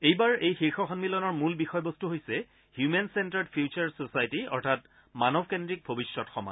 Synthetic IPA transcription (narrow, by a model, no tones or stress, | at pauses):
ejbaɹejxiɹxɔxɔnmilɔnɔɹmulbixɔjbostuɦojsɛ | hjumensɛntɔdpʰjut͡ʃaɹsosajtiɔ̰ɹtʰat | manɔbʱkendɹik̚bʱobisɹɔtxɔma̰